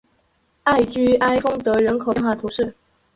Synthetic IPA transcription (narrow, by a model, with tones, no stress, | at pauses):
a˥˩ɪt͡ɕy˥ʔa˥ɪfɤ˥ŋt̪ɤ˧˥ɻə˧˥nkʰo˨˩˥nŋxwa˥˩t̪ʰu˧˥˦ʂɻ̩˥˩